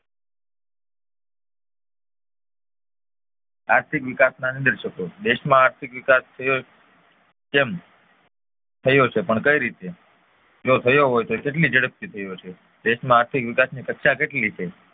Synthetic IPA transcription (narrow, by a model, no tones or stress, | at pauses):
aɾt̪ʰikʋɪkasnanid̪əɾʃəkod̪eʃmãaɾt̪ʰikʋɪkast̪ʰəjo | kem | t̪ʰəjot͡ʃʰepəɳkəiɾit̪e | d͡ʒot̪ʰəjoɦojt̪okeʈlid͡ʒəɽəp̚t̪it̪ʰəjot͡ʃʰe | d̪eʃmãaɾt̪ʰikʋɪkasnikəkʃakeʈlit͡ʃʰe